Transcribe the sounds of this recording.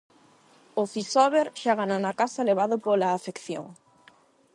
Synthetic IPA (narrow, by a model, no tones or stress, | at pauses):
oθisɔβeɾʃaɣananakasaleβ̞aðopolaːfekθjo̰ŋ